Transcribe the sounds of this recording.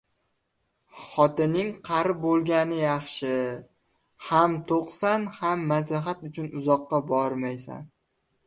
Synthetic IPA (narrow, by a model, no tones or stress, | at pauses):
χɒt̪ɪnːɪŋqʰɑɾɪp̚bolˠɡʲanɪjɑχʃɪ | hamt̪ʰoqsanhamːaslaɦat̪ʊt͡ʃʰʊnʊzɒqːɑbɒɾmajsa̰n